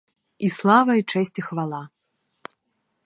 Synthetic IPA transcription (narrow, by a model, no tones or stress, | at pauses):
islˠavɐjt͡ʂɛsʲt͡sʲixvalˠa